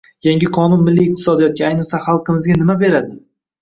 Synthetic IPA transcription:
jaŋɡʲɪqʰɒnʊnmɪlːiːq̚t̪ʰɪ̥sɒd̪ijɒt̪̚kʲaajnɨsaχɑlˠqʰɨmɪzɡʲanɪmabe̞ɾad̪ɪ

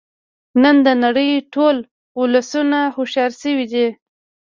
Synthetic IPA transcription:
nənd̪ənaɽəjʈol | ʊlasunahʊʃɑɾsəwid̪i

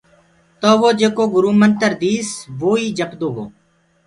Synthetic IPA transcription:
t̪oːʋoːd͡ʒeːkoːɡʊɾuːmənt̪əɾd̪iːsʋoːiːd͡ʒəpd̪oːɦo̰ː

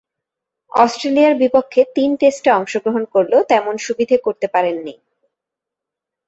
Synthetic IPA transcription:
ɔsʈɾeliaɾbipokʰːet̪inʈesʈʈaɔŋʃoɡɾoɦonkoɾlot̪ɛmonʃubid̪ʱakoɾt̪epaɾenːi

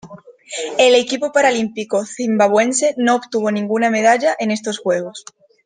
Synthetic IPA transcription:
ele̞kipopaɾalimpikoθimbaβwe̞nse̞noopt̪uβo̞nĩŋɡuname̞ð̞aʎaʔe̞ne̞st̪o̞sxwe̞ɣ̞o̞s

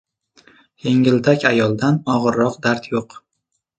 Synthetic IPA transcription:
jeŋɪld̪ʰakʲajɒlˠd̪anɒʁɨɾːɒqd̪aɾt̪ʰjoq

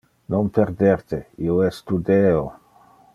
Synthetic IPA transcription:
nompeɾd̪ɛɾt̪eioɛsːt̪ud̪eːo

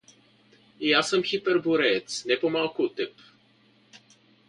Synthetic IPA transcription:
ijasəmxipɛrbuɾɛt̪snepomalˠkut̪ɛp

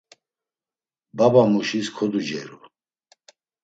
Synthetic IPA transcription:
babamuʃiskʰɔd̪ud͡ʒɛ̰ɾu

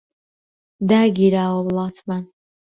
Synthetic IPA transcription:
daɡʲiɾaːwablatʰman

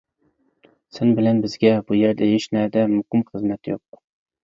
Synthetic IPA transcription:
sɪnbɪlɛnbɪzɡʲɛbujeɾd̪ɛeʃnæd̪ɛmʊhɪmχəzmɛt̪jo̰q̚

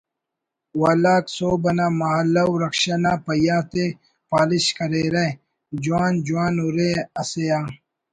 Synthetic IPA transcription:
waːlaːksoːbɐnaːmɐɦɐlːɐwɾɐkʃɐnaːpɐjaːt̪e | paːliɕkɐɾeːɾe | d͡ʑuwaːnd͡ʑuwaːnuɾeɐsejaː

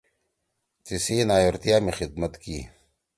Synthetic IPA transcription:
t͡sisiːnaːjoɾt̪ijaːmexid̪̚mɐt̪kiː

